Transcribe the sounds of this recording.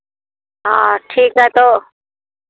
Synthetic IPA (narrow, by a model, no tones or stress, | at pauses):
ɦaːʈʰiːkɦɛt̪oː